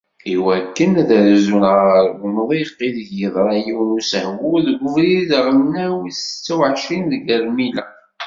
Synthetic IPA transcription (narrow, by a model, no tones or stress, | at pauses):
iwækːənæðəɾzunʁəɾməmðˤiqːiðʝəðˤɾˤɑjiwnusəhɡuðɡʷʊvɾiðʁənːæwist͡sːæwʕʃinðɡæɾmilæ̰